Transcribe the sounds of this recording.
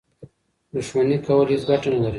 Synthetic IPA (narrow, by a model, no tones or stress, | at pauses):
d̪ʊʃmanikawalizɡaʈanalaɾi